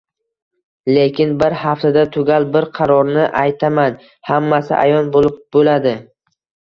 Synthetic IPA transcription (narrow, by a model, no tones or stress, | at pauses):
lekʲʰɪnbɪɾhaft̪ʰad̪at̪ʰʊɡʲalˠbɪɾqʰɑɾɒɾnɪʔajt̪ʰaman | hamːasɪ̰ʔa̰jɒnbolˠɪp̚bolad̪ɪ